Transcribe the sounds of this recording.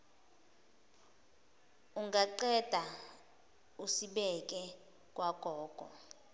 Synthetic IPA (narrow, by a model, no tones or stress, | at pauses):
uŋɡaǃɛd̥ʱa | usiɓɛk̬ʼɛ | kʼwaɡ̥ʱɔːɡ̥ʱɔ̰